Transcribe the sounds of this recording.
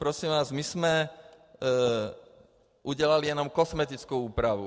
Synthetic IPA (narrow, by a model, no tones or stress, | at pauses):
pɾɔsiːmʋaːzmiz̥mɛ | ʔuɟɪɛlalijɛnɔmkɔsmɛt̪it͡skuuːpɾaʋṵ